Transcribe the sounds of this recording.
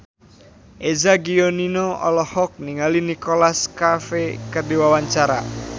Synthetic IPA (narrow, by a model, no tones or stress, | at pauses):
ʔezaɡioninɔɔ̰lɔhɔk̚niŋalinikolaskafekərdiwawaɲt͡ʃaɾa̰